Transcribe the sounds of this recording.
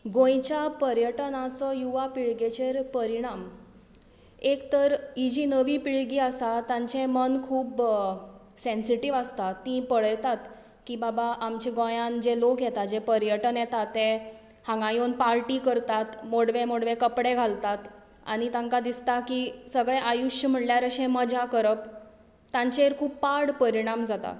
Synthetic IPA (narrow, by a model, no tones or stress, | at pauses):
ɡõjt͡ɕjapəɾjəʈnat͡sɔjuʋapiɭɡet͡ɕeɾpəɾiɽ̃am | ekt̪əɾid͡ʑinəʋiːpiɭɡiːasat̪ãɲt͡ɕẽmənkʰuːb | sẽnsiʈiʋəst̪at̪ːĩpəɭəjt̪at̪ | kibabaʔamt͡ɕiɡõjãnd͡ʑelokjet̪ad͡ʑepəɾjəʈənjet̪at̪ːe | hãŋɡãjonpaɾʈikəɾt̪at̪moɽʋẽmoɽʋekəpɽeɡʱalt̪at̪ | a̰ɽ̃it̪ãŋkad̪ist̪akisəɡɭẽʔajuɕəm̤əʈljaɾəɕẽməd͡ʑakəɾəp | t̪ãɲt͡ɕeɾkʰuːpːaɽpəɾiɽ̃amd͡zat̪a̰